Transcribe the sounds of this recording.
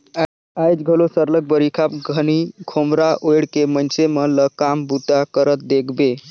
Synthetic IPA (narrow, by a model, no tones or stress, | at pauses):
ajd͡ʒɡʱəlosəɾlək̚bəɾikʰap̚ɡʱənikʰomɾaʔojɽkemənt͡ʃemələkambut̪akəɾət̪̚d̪ekʰbe